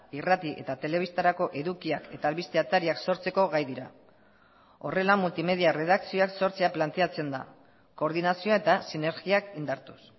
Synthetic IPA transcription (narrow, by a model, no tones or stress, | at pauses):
irat̪iʔe̞̰t̪at̪e̞le̞βist̪aɾako̞ʔe̞ðukiake̞t̪aːlβist̪eat̪aɾiakso̞ɾt͡se̞ko̞ɣajðiɾa̰ | o̞re̞lamult̪ime̞ðiare̞ð̞akt͡sioakso̞ɾt͡seaplant̪e̞at͡se̞nd̪a̰ | ko̞ːɾð̞inasio̞e̞t̪asine̞ɾɣiakind̪aɾt̪u̥s